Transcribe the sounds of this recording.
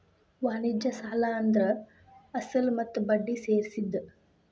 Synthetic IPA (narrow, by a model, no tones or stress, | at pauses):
ʋaːnid͡ʒɐsaːlaɐnd̪ɐɾɐ | ɐsɐlmɐt̪ːubɐɖːiseːɾisid̪ːɐ